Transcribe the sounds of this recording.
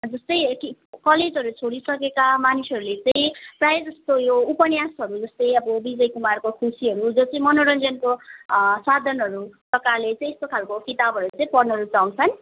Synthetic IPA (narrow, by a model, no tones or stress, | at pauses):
d͡zʌst̪ʌjkikʌled͡zɦʌɾut͡sʰoɽisʌkekamanisʌɾulet͡sãĩprajed͡zʌst̪ojoupʌnjasʌɾud͡zʌst̪ʌjʌbʌbid͡zʌjkumarkokʰusiɦʌɾud͡zot͡sʌĩmʌnoɾʌnd͡zʌnkosad̪ʱʌnʌɾuprʌkarlet͡saĩest̪okʰalkokit̪abʱɦʌɾut͡saĩpʌrnʌɾut͡saw̃t͡sʰʌn